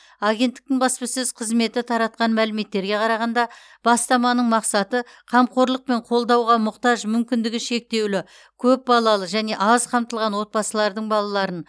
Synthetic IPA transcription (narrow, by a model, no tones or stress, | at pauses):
aɡʲe̞nt̪ːɪ̥k̚t̪ɪŋbɑspəsɪzqʰəzme̞t̪ɪt̪ʰɑɾɑt̪̚qɑnmælɪme̞t̪ːe̞ɾɡʲe̞qʰɑɾɑʁɑnd̪ɑ | b̥ɑst̪ɑmɑnəɴmɑqsɑt̪ə | qʰɑmqo̞ɾlˠəq̚pe̞ɴqʰo̞lˠd̪ɑwʁɑmʊqt̪ɑʒmʏmkʲɪnd̪ɪɡʲɪʃe̞k̚t̪e̞wlɪ | kʲʰɵp̚bɑlˠɑlˠəʒæne̞ʔɑzqʰɑmt̪əlˠʁɑnwo̞t̪̚bɑsəlˠɑɾd̪əɴbɑlˠɑlˠɑɾən